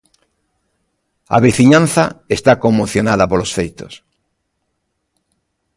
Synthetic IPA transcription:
a̰βiθiɲãn̟θaest̪akomːoθjonaðɐpolosfejt̪os

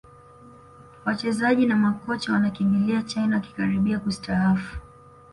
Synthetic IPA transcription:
wat͡ʃɛzaʄinamakɔt͡ʃawanakimbiliat͡ʃajnaaki̥kaɾiɓiakustaafu̥

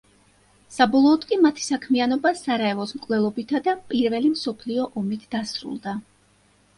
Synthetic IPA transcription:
sabɔlˠɔːd̪̥kʼimat̪ʰi̥sakʰmianɔbasaɾaɛvɔsmkʼvlɛlˠɔbit̪ʰad̪apʼiɾvɛlimsɔpʰliɔʔɔmit̪ʰd̪̥asɾṵlˠd̪a

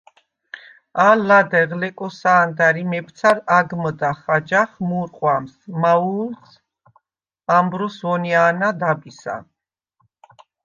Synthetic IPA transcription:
alad̪ɛʁlɛkʼɔsaːnd̪aɾimɛpʰt̪sʰaɾaɡməd̪aχad͡ʒaχmuɾqʼwamsmauls | ambɾɔsvɔniaːnad̪abisa̰

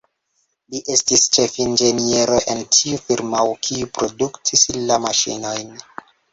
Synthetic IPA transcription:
liʔe̞stist͡ʃefind͡ʒe̞nie̞ɾoʔentʰiufiɾmawkʰiupɾo̞duktʰislamaʃḭno̞jn

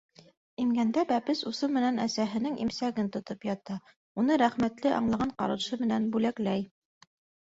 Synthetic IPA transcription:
imɡænd̪æbæpɘsusɤmɘ̆nænæ̰sæɦɘ̆nɘŋʔḭmsæɡɘnt̪ŏt̪ɤpjɑt̪ɑ | unɤɾæχmæt̪lɘʔɑ̰ɴlˠɑʁɑɴqɑ̰ɾɤ̆ʃɤmɘ̆nænbʉlæklæj

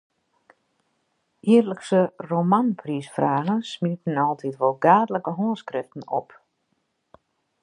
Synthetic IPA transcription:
ʔiərləksəromanpʰriːsfraːɣənsmitn̩ɔlˠtʰitʋolˠɡaːdələkəɦoənskrɪftn̩ɔp

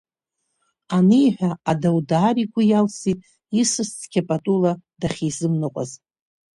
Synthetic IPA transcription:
anɨjħʷᶣaadawdaːɾiɡʷʊjalsitʼ | isɨst͡sʰʼɡʲapʼatʼuladaχʲizɨmnɨqʷʼa̰z

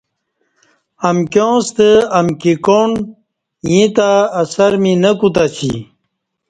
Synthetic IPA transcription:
ɐmkjõːst̪əɐmkikoɳ | jĩt̪aːsɐɾminəkut̪at͡ɕʰḭ

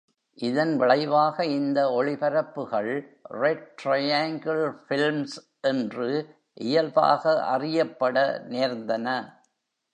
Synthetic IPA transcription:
ʔɪðɐnʋɪɭɐɪʋaːɣɐɪnd̪ɐɔɭɪpɐɾɐpːɯɣɐɭrɛʈɾɐjaːŋɡɐlfɪlms | ʔɛndrɯ | ʔɪjɐlba̰ːɣɐʔɐ̰rɪjɐpːɐɽɐneːɾnd̪ɐnɐ

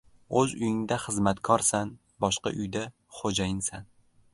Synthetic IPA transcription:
ɵzʊjɪŋd̪aχɨzmat̪kʰɒɾsan | bɒʃqɑ̰ʔʊjd̪a | χod͡ʒajɪnsan

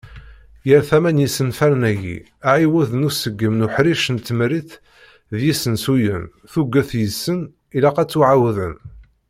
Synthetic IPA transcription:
jəɾθæmænjisənfæɾnæʝḭ | æʕiwæðənusəɡːəmnʊħɾiʃənt̪ːəmɾiθ | ðjisənsujən | θuɡːæθjəsːən | ilæqæt͡sːuʕawðən

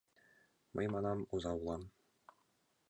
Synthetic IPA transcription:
mɤ̰̆jmɑnɑmuzɑulˠɑm

